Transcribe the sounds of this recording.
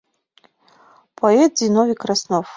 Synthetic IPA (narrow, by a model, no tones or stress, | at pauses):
pʰoɛt̪̚zinovʲikʰrasnof